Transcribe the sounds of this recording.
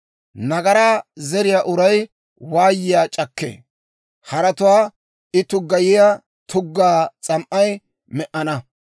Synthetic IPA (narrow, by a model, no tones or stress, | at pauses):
nɐɡɐɾaːzɛɾɪjaːʔʊɾɐj | waːjːɪjaːt͡ʃʼɐkːḛː | hɐɾɐt̪ʊwaː | ɪt̪ʊɡːɐjɪja | t̪ʰʊɡːaːt͡sʼɐmʔɐj | mɛʔɐnɐ